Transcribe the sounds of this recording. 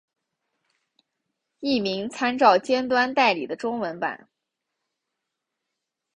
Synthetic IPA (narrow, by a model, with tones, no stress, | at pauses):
i˥˩mi˧˥ŋt͡sʰa˥nt͡sɑ˥˩ʊt͡ɕjɛ˥nt̪wa˥nt̪a˥˩ɪli˨˩d̪ə˦ʈ͡ʂʊ˥ŋwə˧˥npa̰˨˩˦n